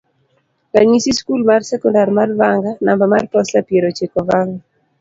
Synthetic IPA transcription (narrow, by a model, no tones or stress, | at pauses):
kaɲisiskulmarsɛkɔndarmarvaŋɡanambamarpɔslapjeɾot͡ʃekɔvaŋɡa